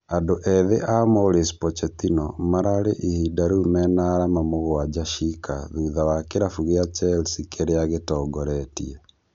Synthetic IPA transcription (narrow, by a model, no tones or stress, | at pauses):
andoʔɛðeʔamoɾespɔt͡ʃɛt̪inɔmaɾaɾeʔihidaɾumɛnaɾamamoɣwad͡ʒaʃikaðuðawakeɾafuɣeat͡ʃɛlsikeɾeaɣetɔːɡɔɾɛtḭe